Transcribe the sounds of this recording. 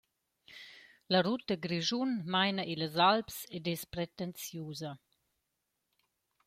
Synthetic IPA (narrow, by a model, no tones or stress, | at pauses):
lɐɾut̪əɡɾiʒunmajnəʔiləzalpsɛdɛspɾɛt̪ɛnt͡sjuːzɐ